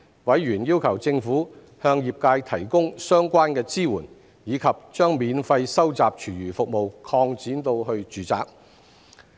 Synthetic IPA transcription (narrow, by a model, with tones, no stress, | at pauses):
wɐ˨˥jɥyː˨˩njiː˥wkʰɐ˨˩wt͡sɪ˧ŋfuː˨˥ | hœː˧ŋjiː˨p̚kaː˧jt̪ʰɐ˨˩jkʊ˥ŋsœː˥ŋkʷaː˥nkɛː˧t͡siː˥wuː˨˩n | jiː˨˧kʰɐ˨p̚t͡ʃœː˥ŋmiː˨˧nfɐ˧jsɐ˥wt͡saː˨p̚t͡ʃʰyː˨˩jyː˨˩fʊ˨k̚mo˨wkʰɔː˧ŋt͡siː˨˥nt̪o˧wɦɵ˧ɥt͡ʃyː˨˥t͡sa̰ː˨k̚